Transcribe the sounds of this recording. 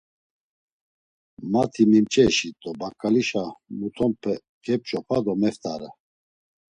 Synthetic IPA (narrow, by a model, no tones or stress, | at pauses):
mat̪ʰimimt͡ʃʼɛʃit̪ʼɔbakʼaliʃamut̪ʰɔmpʰɛ | kʰɛp̚t͡ʃʼɔpʰad̪ɔmɛft̪ʰʼaɾa